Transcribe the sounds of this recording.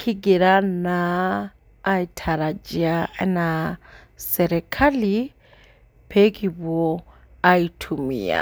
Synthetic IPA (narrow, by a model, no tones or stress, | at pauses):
kʰiɡiɾanaː | itʰaɾad͡ʒiaɛna | sɛɾɛkʰali | pʰekʼibɔ | aitʰumḭa̰